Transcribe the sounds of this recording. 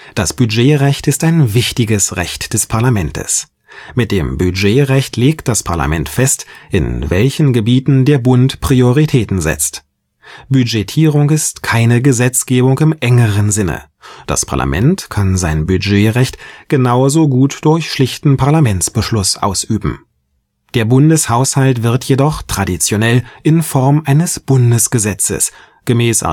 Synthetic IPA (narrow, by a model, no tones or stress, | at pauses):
d̥asb̥yd͡ʒeːʁɛçtɪstaɪnvɪçtɪɡəsʁɛ̰çtd̥ɛspʰaɐlamɛntʰə̰s | mɪt̚d̥eːmbyd͡ʒeːʁɛçtʰleːkt̚d̥aspʰaɐla̰mɛntfɛstʔɪ̰nvɛlçn̩ɡəbiːtn̩deːɐbʊntpʁ̥ioʁitʰɛːtn̩zɛ̰t͡st | b̥yd͡ʒetʰiːʁʊŋɪstkʰaɪnəɡəzɛt͡sɡ̥eːbʊŋkɪmʔɛŋəʁənzɪnə̰ | d̥a̰spʰa̰ɐlʔa̰mʔɛ̰ntkʰanzaɪnbyd͡ʒeːʁɛçtɡ̥ənaʊzoːɡuːtd̥ʊɐçʃlɪçtn̩pʰaɐlamɛnt͡sb̥əʃlʊsʔa̰ʊsʔyːbm̩ | d̥eːɐbʊndəshaʊshaltv̥ɪɐtʰjedɔχtʁ̥adit͡sjonɛlʔɪnfɔʁmʔaɪnəsb̥ʊndəsɡ̥əzɛt͡sə̰s | ɡ̥əmɛːsa̰